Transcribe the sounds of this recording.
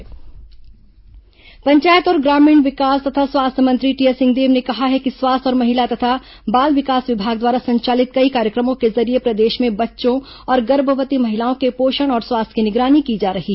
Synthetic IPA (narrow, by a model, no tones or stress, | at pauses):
pɐ̃ɲt͡ʃaːjət̪ɔːɾɡɾaːmĩːɳʋɪkaːst̪ɐt̪ʰaswaːst̪ʰəmɐ̃nt̪ɾiʈijəsɪ̃ŋɡd̪eːʋnekɐɦaɦɛkiswaːst̪ʰɔːɾmɐɦɪlat̪ɐt̪ʰa | baːlʋɪkaːsʋɪbʱaːɡ̚d̪waːɾasɐ̃ɲt͡ʃaːlɪt̪̚kɐikaːɾjəkɾəmõkezɐɾiepɾɐd̪eːʃmẽbɐtːʃõ | ɔːɾɡɐɾbʱəʋət̪imɐɦɪlaːõkepoːʃəɽ̃ɔːɾswaːst̪ʰkinɪɡɾaːnikid͡ʒaːɾɐɦi